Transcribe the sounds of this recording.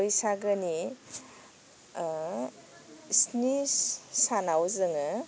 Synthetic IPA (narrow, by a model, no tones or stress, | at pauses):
jsaɡəni | snissanawzɯŋɯ